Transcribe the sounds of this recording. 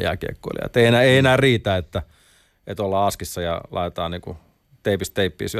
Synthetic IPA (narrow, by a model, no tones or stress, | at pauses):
jɑ̰ːkiḛkːo̰ḭlḭɑ̰t̪ːeienæeienæːriːt̪æːet̪ːæ | et̪olːɑːɑskisːɑjɑ̰lʔɑ̰it̪et̪ɑːnniːŋku | t̪eipist̪eipːḭːsyæ